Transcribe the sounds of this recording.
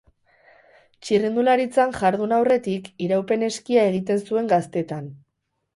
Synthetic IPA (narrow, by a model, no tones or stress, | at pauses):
t͡ʃirind̪ulaɾit͡sanʝaɾðunawre̞t̪ikiɾawpe̞ne̞skiae̞ɣ̞it̪e̞nsue̞ŋɡast̪e̞t̪an